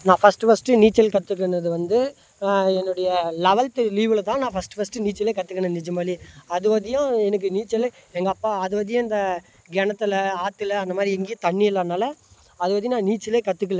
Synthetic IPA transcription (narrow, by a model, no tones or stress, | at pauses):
nãːfɐsʈɯfɐsʈɯniːt͡ʃːɐlkɐt̪ːɯkːɐɳɐðɯʋɐnd̪ɯ | ɛnːʊɽɐjɐlɛʋɐlt̪ɯliːʋɪlɐt̪ãːnãːfɐsʈɯfɐsʈɯniːt͡ʃːɪleːkɐt̪ːɯkːɐɳenɪt͡ʃːɯmaːɾiɐðɯʋɐðɪjʊ̃ɛnɐk̬ːɯniːt͡ʃːɐlɛŋɡɐpːaːɐðɯʋɐðɪjʊ̃ɐnd̪ɐ | ɡɛɳɐt̪ːɪlɐaːt̪ːɪlɐnd̪ɐmaːd̪ɾiɛŋɡeːt̪ɐɳːɪɪlːɐnaːlɐ | ɐðɯʋɐðɪj̃nãːniːt͡ʃːɪleːkɐt̪ːɯk̬ːɐɭɛ̃